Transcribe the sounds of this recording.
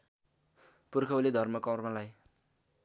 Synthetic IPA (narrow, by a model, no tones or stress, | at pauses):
purkʰʌuled̪ʱʌrmʌkʌwrmalaj